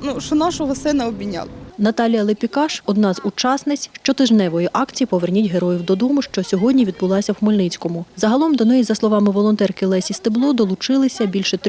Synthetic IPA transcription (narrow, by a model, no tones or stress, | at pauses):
nuʃt͡ʃɔnɑʃɔɦɔsɪnɐɔbʲinʲːɑ̰lˠɐnɐt̪ɑlʲijɐlˠɪpʲikɑʃɔd̪nɑzut͡ʃɑsnɪt͡sʲʃt͡ʃɔt̪ɪʒnɛʋɔjiʔɑkt͡sʲijipɔʋernʲitʲɦeɾɔjiwd̪ɔd̪ɔmʊʃt͡ʃɔsʲɔɦɔdʲnʲiʋʲid̪̚bʊlˠɑsʲɐwxmɔlʲnɪt͡sʲkɔmʊzɐɦɐlˠɔmd̪ɔnɛjizɐslˠɔʋɑmɪʋɔlˠɔnt̪ɛrkɪlˠɛsʲist̪ɪblˠɔd̪ɔlˠʊt͡ʃɪlˠɪsʲɐbʲilʲʃɛt̪